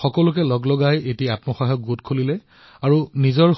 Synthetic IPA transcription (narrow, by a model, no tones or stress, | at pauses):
xɔkɔlʊk̬ɛlɔɡlɔɡajetiatmɔxɔɦɔk̚ɡotkʰolilɛ | aɹunizɔɹ